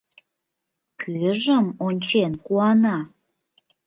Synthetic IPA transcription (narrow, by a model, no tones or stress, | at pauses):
kʰyʒəmonʲt͡ɕenkuɑnɑ